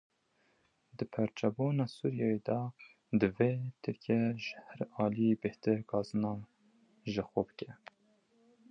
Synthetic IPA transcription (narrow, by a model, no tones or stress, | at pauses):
d̪ɨpʰɛɾt͡ʃɛbunɑːsuːɾijɑjed̪ɑ | d̪ɨveːt̪ʰɨɾkʰiɛʒəhæɾɑːlijebɪht̪ɨɾkʰɑːzɨnɑː | ʒəxʷobəkʲɛ